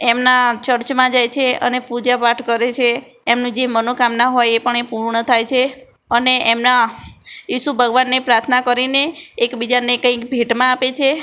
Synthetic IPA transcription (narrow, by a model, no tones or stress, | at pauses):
emnat͡ʃəɾt͡ʃmãd͡ʒajt͡ʃʰeə̰nepud͡ʒapaʈʰkəɾet͡ʃʰeː | mnũd͡ʒemənokamnaɦojepəɳepuɾɳət̪ʰajt͡ʃʰe | əneemna | iʃubʱəɡʋanːepɾaɾt̪ʰnakəɾineːkbid͡ʒanekə̃ikbʱeʈmãapet͡ʃʰe